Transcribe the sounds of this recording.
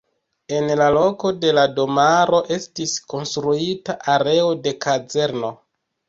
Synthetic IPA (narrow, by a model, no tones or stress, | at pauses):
e̞nlalo̞ko̞de̞lado̞maɾo̞ʔe̞stisko̞nstɾuitaʔaɾe̞o̞de̞kad͡ze̞ɾno̞